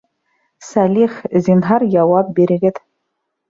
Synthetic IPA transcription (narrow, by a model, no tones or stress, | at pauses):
sælʲiχzinɦɑɾjɑwɑp̚biɾɘ̆ɡɘð